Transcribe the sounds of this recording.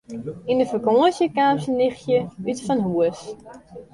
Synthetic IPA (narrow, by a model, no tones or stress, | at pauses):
inəfəkoəsjəkaːmsənːɪxjəytfɔnɦuəs